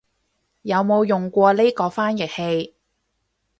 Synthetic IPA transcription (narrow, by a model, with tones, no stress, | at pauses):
jɐ˨˧wmo˨˧wjʊ˨ŋkʷɔː˧le˥kɔː˧faː˥njɪ˨˩k̚he˧j